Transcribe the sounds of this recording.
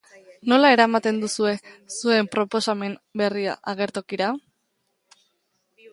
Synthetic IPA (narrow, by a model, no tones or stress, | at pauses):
no̞lae̞ɾamat̪e̞nd̪usue̞sue̞mpɾo̞po̞same̞nbe̞ria̰ʔaɣe̞ɾt̪o̞kiɾa